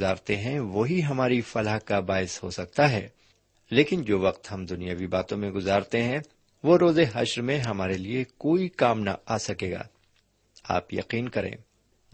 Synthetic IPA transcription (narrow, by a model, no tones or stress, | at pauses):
aːɾt̪eɦɛ̃ʋoːɦiɦɐmaːɾifɐləɦkabaːɪsho̰sɐk̚t̪aɦɛ̰ː | leːkɪnd͡ʒoːʋɐqt̪ɦɐ̃md̪ʊnijaʋibaːt̪õmẽɡʊzaːɾt̪eɦɛ̃ | ʋoɾoːzeɦɐʃɾmẽɦɐmaːɾeliekoːikaːmna̰aːsɐkeːɡa̰ː | a̰ːpjɐ̰qiːnkɐɾḛ̃ː